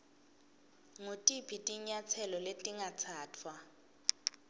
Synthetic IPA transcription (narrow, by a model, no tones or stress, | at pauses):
ŋutʼipʰitʼiɲat͡sʰɛlɔletʼiŋat͡sʰaːtʰwa